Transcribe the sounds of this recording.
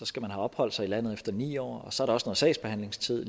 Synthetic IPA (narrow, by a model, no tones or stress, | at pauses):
sɒ̽sɡ̥æmænɦæɒ̽b̥hɒ̽l̰d̥sɑ̈ɪilæn̰ð̩ˠefd̥ɐnḭːɒ̰ːɒ̽sɒ̽æɐɾ̥ɑ̈ɒ̽snoð̩ˠsɛ̰ɪsb̥e̝hæn̰le̝ŋst͡sʰið̰ˠ